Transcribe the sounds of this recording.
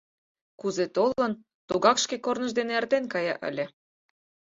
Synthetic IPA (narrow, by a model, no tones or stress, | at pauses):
kuzet̪olɤ̆n | t̪oɣɑkʃkekornə̆ʒd̪eneært̪enkɑjɑ̰ʔə̰lʲĕ